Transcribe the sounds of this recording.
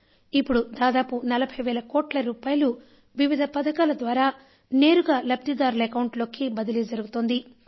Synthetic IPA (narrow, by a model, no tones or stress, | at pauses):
ipːuɽud̪aːd̪aːpunɐlɐbʱɐjʋɛːlɐkoːʈlɐɾuːpaːjɐlu | ʋiʋid̪ʱɐpɐd̪ɐkaːlɐd̪ʋaːɾaː | ne̞ːɾuɡaːlɐb̚t̪id̪aːɾulekɐwɳʈlo̞ːkibɐd̪ilid͡ʒɐɾuɡut̪oːnd̪i